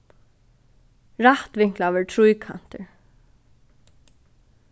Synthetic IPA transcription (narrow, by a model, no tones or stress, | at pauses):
ɹaht̪ʋɪŋ̥klaːʋɪɹt̪ʰɾujkʰa̰n̥t̪ə̰ɹ